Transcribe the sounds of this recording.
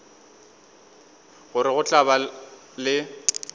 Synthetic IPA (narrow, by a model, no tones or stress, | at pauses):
ɣʊɾɪɣʊt͡ɬʼaba | lɪ